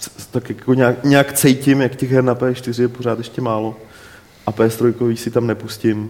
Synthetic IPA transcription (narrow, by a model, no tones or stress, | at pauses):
t̪akjakoɲaːkɲɛakt͡sɛjcɪmjakcɛɣɦɛɾnapɛːʃt̪ɪrɪjɛpor̝aːt̪jɛʃcɛmaːlo̞ | ʔapɛːst̪ɾojkoviːsɪt̪amnɛpuscɪm